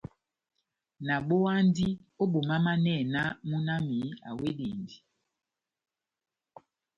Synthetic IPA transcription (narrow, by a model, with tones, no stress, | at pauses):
na˨ɓo˦a˦n˦di˦o˦ɓo˨ma˦ma˦nɛ˦˨na˦mu˦na˦mi˨˦a̰˨we˦dḛ˨ndi˨